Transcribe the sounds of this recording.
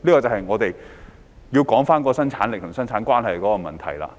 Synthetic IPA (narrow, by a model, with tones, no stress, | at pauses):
liː˥kɔː˧t͡sɐ˨hɐ˨jŋɔː˨˧t̪e˨j | ji˧wkɔː˨˥ŋfaː˥nkɔː˨˧˥sɐ˥nt͡sʰaː˨˥nlɪ˨k̚t̪ʰʊ˨˩ŋsɐ˥nt͡ʃʰaː˨˥nkwaː˥nɦɐ˨jkɔː˨˥kɔː˧mɐ˨˩nt̪ʰɐ˨˩jla̰ː˧